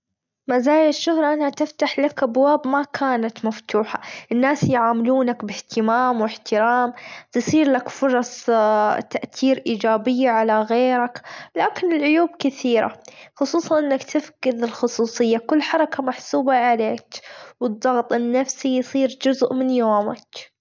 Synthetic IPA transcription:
mazaːjɪʃːʊhɾˤɑʔanhat̪ɪft̪aħlakʔabwaːbmakʰaːnat̪maft̪uːħaʔɪnːaːsjʕaːmɪluːnakbɪht̪ɪmaːmwɪħt̪ɪɾaːmt̪ɨsˤiːɾlakfʊɾˤɑsˤt̪aʔt̪iːɾʔiːd͡ʒaːbɪjːaʕalaɣeːɾaklaːkɪnɪlʕʊjuːb̚kɪθiːɾa̰xʊsˤuːsˤɑnʔɪnːakt̪ɪfkɪðɪlxʊsˤuːsˤɨjːakʊlːħɑɾˤɑkamaħsuːbaʕaleːkwɨd̪ˤːɑɣt̪ˤɪnːafsijsˤiːɾd͡ʒʊzʔmɪnjoːmak

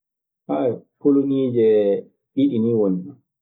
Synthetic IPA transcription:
ʔajpoloniːd͡ʒɛ | ʔiɗiniwonina

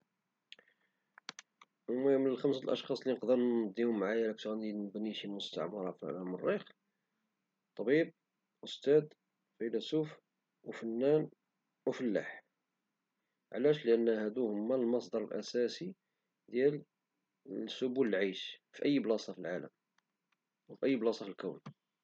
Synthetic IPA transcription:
mæmənəlxəmsəlʔɑ̰ʃxɑsˤlinəqd̪əɾnd̪ːihʊmːʕajælækt̪ænibəniʃilmʊst̪a̰ʕmɑɾˤɑfmərːix | t̪ˤːɑbib̚ | ʔʊst̪æd̪ | filæsuf | wfənːæn | wəfəlːa̰ħ | ʕlæʃləʔənːhæd̪uhʊmːælmɑsˤd̪ˤɑɾˤəlʔæ̰sæsi | d̪jæl | sʊbuləlʕajʃfiʔəjːblɑsˤɑfilʕaləm | wfiʔəjːblɑsˤɑfilkæwn

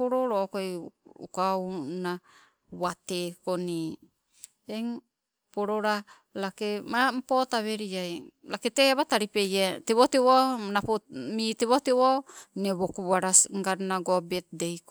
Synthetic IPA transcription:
poɾoɾokojṵkawna | watekoni | eŋ | poɾoɾa | lakemam̩potaβe̞ɾiajlaketeaβataɾipejeteβotewonapomiteβotewoneβokuaɾasŋɡaɾnaɡobet̚dejk

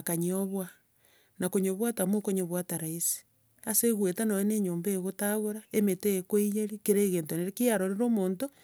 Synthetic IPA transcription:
kaɲioβwa | nakoɲoβwatamokoɲoβwataɾaisi̥ | aseɣwetanojeneːɲoːmbeeɣotaɣoɾaemeteekweijeɾikeɾeːɣeːntoneɾekiaɾoɾeɾoːmoːnto

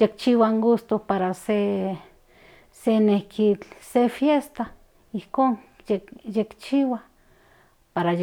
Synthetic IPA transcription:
jek̚t͡ʃiwaŋɡust̪opaɾase | senehkʰit͡ɬsefjest̪a | ihkonejekt͡ʃiwa | paɾa

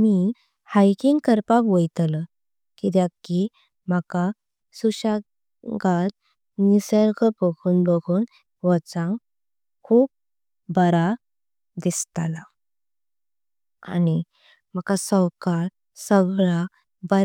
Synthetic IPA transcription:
mi | hajkiŋɡkəɾpakʋəjt̪lə | kit̪jakːi | m̤aka | suɕa | ɡat̪̚ | nisəɾkəpəɡʰuːnbəɡʰuːn | ʋət͡sãŋ | kʰuːp̚ | bəɾa | d̪ist̪ala | a̰ni | m̤akasəwkaɾ | səɡɭa | bə

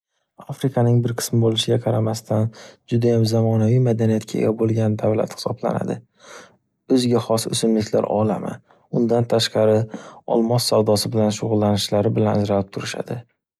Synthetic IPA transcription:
afɾɪkʰanɪŋbɪɾqʰɨ̥smɪbolɪʃɪɡʲaqʰɑɾamast̪ʰand͡ʒʊd̪ajamzamɒnavijmad̪anijat̪̚kʲʰaḛɡʲabolˠɡʲand̪avla̰t̪hɪ̥sɒbla̰na̰d̪ɪ | ɵzɡʲaχɒsɵ̰sɪmlɪkʲʰla̰ɾɒ̰la̰ma̰ | ʊnd̪ant̪ʰaʃqɑɾɪɒ̰lˠmɒsːawd̪ɒsɪbɪlanʃʊʁʊlˠːanɪʃlaɾɪbɪlanzɾalɪp̚t̪ʰʊɾɪʃa̰d̪ɪ

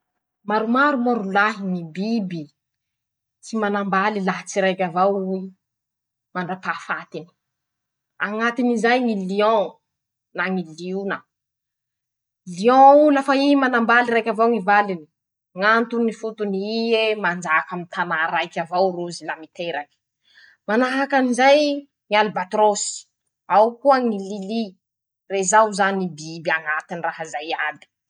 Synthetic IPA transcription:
maɾumaɾumoɾulaɦiŋibibi | t͡simanambalilat͡siɾajkʲavawui | maɳɖ͡ʐapafat̪ini̥ | aŋat̪inizajmiliɔ̃ | naŋiliunə | liɔ̃ulafaimanambaliɾajkʲavawŋivalini | ŋant̪unifut̪uniemand͡ʒaːkamint̪ʰanaɾajkʲavawɾuzilamit̪eɾaki̥ | manaɦakanizaj | ŋialibat̪ɾosi̥ | awkuəŋilili | rezawzanibibiaŋat̪iniraɦəzajad̪i̥

